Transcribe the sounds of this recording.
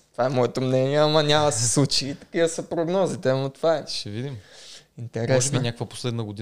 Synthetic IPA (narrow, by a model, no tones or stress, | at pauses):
t̪ovaɛmɔɛt̪omnɛniɛamɐnʲamɐsɛslˠut͡ʃiːt̪ɐ̥kivɐsəpɾoɡnɔzit̪ɛmot̪vaɛʃɛvid̪imint̪ɛɾɛsbinʲakəkvəpo̥slɛd̪nɐɡod̪i